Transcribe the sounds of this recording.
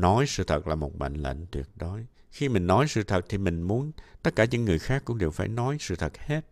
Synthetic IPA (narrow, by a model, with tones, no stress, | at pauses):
nɔ˨˦jsɨ̰˧˨t̪ʰə˨˩t̚laː˨˩mo˨˩t̚ɓa̰˧˨ŋlə̰˧˨ŋ̟t̪wḭ˨˩ət̚ɗo˨˦j | xi˧mï˨˩ŋ̟nɔ˨˦jsɨ̰˧˨t̪ʰə˨˩t̚t̪ʰi˨˩mï˨˩ŋ̟mu˨˦ənt̪ə˦˥t̚kaː˧˩ɲɨ̰˧˥ŋːɨ˨˩əjxaː˦˥kːʊ̰˧˥ŋ͡mɗe˨˩wfaː˧˩jnɔ˨˦jsɨ̰˧˨t̪ʰə˨˩t̚he˦˥t̚